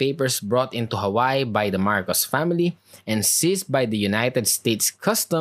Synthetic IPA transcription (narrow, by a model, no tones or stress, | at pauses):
peɪpəɹsbɹɔt̪ɪ̃nt̪uɦɐwaɪbajd̪ɐmaɹkɔsfæmɪli | ʔɛ̃nsis̚bajd̪ɐjunajt̪ɛd̪st̪eːt̪skʰʌst̪ə̃